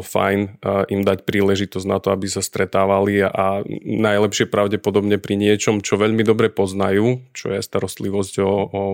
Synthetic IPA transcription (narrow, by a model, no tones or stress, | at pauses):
fa̰jnʔimd̪acpɾiːlɛʒit̪ɔzɟnat̪ɔabisast̪ɾɛt̪aːʋalianajlɛpʃɪɛpɾaʊɟɛpɔd̪ɔbɲɛpɾiɲɪɛt͡ʃɔmt͡ʃɔʋɛʎmid̪ɔbɾɛpɔznajuːt͡ʃɔ̰jɛst̪aɾɔst̪liʋɔzɟɔ